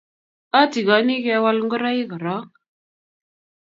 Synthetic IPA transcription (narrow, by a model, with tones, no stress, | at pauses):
a˦ti˨ɡa˨˦ni˦ke˨˦wa˦lŋɡə˦ɾa˦i˦ɡə˨ɾa˦